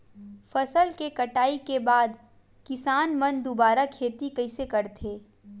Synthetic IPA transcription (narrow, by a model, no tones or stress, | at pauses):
fɐsəlkekɐʈaːikebaːd̪ | kɪsaːnmɐ̃nd̪obaːɾakʰeːt̪ikɐɪsekɐɾt̪ʰeː